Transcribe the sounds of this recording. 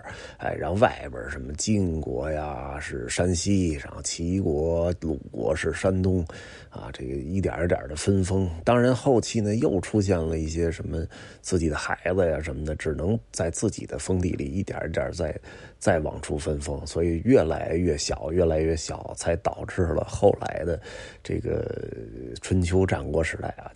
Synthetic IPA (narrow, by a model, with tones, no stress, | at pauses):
a̰˥˧ɪɻɑ̰˧˥ŋwa˥˩ɪbə̰˞˨˩ʂə˧˥nmə˧t͡ɕi˥˧ŋkwɔ̰˧˥ja˧ʂɻ̩˥˩ʂa˥nɕi˥ʂɑ̰˧˥˩ŋt͡ɕʰi˧˥kwɔ˧˥lṵ˨˩kwɔ̰˧˥ʂɻ̩˥˩ʂa˥nt̪ʊ˥ŋ | a̰˧˩ʈ͡ʂe˥˩ɡə̰˩i˥˩t̪̬j̰t̪jə̰˨˩d̪ə˦fə˥nfɤ˥ŋt̪ɑ˥ŋɻa˧˥nxo˥˧ʊt͡ɕʰi˥˩nə˩jo˥˩ʊʈ͡ʂʰu˥ɕ̬jɛ˥˩nlə˩i˥˩ɕjɛ˥ʂə˧˥nmə˧ | t͡sɹ̩˥˩t͡ɕi˨˩d̪ə˦xa˧˥ɪd͡zə˧ja˨ʂə˧˥nmə˧nə˩ʈ͡ʂɻ̩˨˩nɤ˧˥ŋt͡sa˥˧ɪt͡sɹ̩˥˩t͡ɕḭ˨˩d̪ə˦fɤ˥ŋt̪ḭ˥˩li˨˩i˥˩t̪jə̰˨˩˥t̪jɑ̰˞˨˩t͡sa˥˧ɪ | t͡sa˥˩ɪwɑ̰˨˩ŋʈ͡ʂʰu˥˩fə˥nfɤ˥ŋswɔ˧˥i˨˩ɥɛ˥˩la̰˧˥ɪɥɛ˥˩ɕjɑ˨˩ʊjɥɛ˥˩la˧˥ɪɥɛ˥˩ɕjɑ˨˩ʊt͡sʰa˧˥ɪt̪ɑ˨˩ʊʈ͡ʂɻ̩˥˩lə̰˩xo˥˩ʊla̰˧˥ɪd̪ə˧ʈ͡ʂḛ˥˩ɡə̰˩ | ʈ͡ʂʰwə˧˥nt͡ɕʰjo˧˥ʊʈ͡ʂa̰˨˩nkwɔ˥ʂɻ̩˧˥t̪a̰˥˩ɪa̰˩